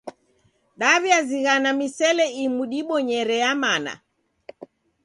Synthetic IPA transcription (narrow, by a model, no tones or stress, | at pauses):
ɗaβjaziɣanamisɛlɛimuɗiɓɔɲɛɾɛamana̰